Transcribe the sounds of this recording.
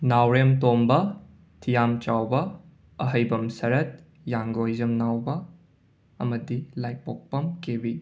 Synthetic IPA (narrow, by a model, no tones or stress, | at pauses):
nawɾemtombɐ | tʰijamt͡ʃawbɐ | ɐɦɐjbɐmsɐɾɐt̚ | jaŋɡojzɐmnawbɐ | ɐmɐdilajpok̚pɐmkebi